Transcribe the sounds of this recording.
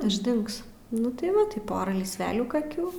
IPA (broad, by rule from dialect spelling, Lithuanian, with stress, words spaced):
ɪʒʲˈdʲɪŋks ˈnʊ tɐɪ ˈʋɐ tɐɪ ˈpoːrɐ lʲiːsʲˈʋʲæːlʲuː kɐˈkʲuː